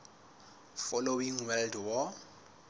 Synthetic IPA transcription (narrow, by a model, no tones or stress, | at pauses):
fɔlowiŋwɛldwɔ